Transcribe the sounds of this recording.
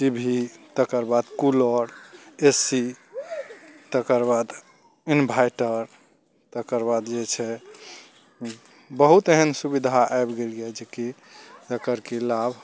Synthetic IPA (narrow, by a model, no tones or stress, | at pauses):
sibʱit̪əkəɾbad̪kuləɽesi | t̪əkəɾbad̪ | inbʱajʈəɾ | t̪əkəɾbad̪d͡ʒet͡ʃʰɛ | bəɦut̪eɦənsubid̪ʱaajbɡelɡɛd͡ʒeki | d͡ʒəkəɾkelabʱ